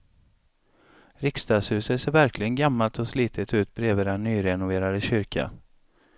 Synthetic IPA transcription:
ɾɪkst̪ɑːɡshʉ̟ːsət̪seːɾvæɾklɪɡənɡamːalt̪ɔsliːt̪ʰət̪ʉ̟ːt̪̚bɾeːvəɾɛnːyːɾɛnʊveːɾad̪əɕʏɾkʰa̰

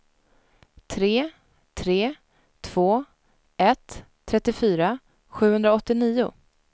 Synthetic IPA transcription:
t̪ʰɾeː | t̪ʰɾeː | t̪ʰv̥oː | ɛt̪ʰː | ɾɛt̪ːɪfyːɾa | ɧʉ̟ːhɵnd̪ɾaɔt̪ːɪniːʊ̰

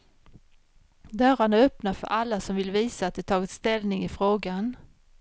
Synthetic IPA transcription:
d̪œɾaɳaœpnafœ̰ɾʔalːasɔmvɪlviːsaaːt̪̚d̪ɛt̪ʰɑːɡɪt̪st̪ɛlnɪŋɪfɾoːɡan

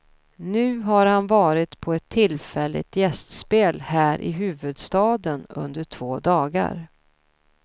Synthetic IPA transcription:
nʉ̟ːɦaɾhanvɑːɾɪt̪pʰɔɛt̪ʰːɪlfɛlːɪ̰t̪jɛst̪speːlhæːɾʔɪ̰ɦʉ̟ːvɵd̪st̪ɑːd̪ənɵ̰nd̪əʈʰv̥oːd̪ɑːɡa̰ɾ

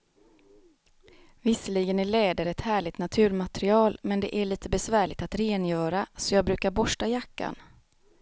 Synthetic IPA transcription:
vɪsəliːɡənæɭɛːd̪əɾɛt̪hæːɭɪt̪nat̪ʰʉ̟ːɾmat̪ɾɪɑːlmɛnd̪ɛʔæɭiːt̪əbɛsvæːɭɪt̪at̪ɾeːnjœːɾasɔjɑːɡ̚bɾʉ̟ːkaɾbɔʂʈajakːa̰n

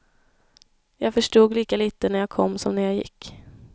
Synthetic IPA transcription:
jɑːɡfœʂʈuːɡliːkaliːt̪ənæɾjaːɡkʰɔ̰mːsɔmnæɾjaːjɪ̰kː

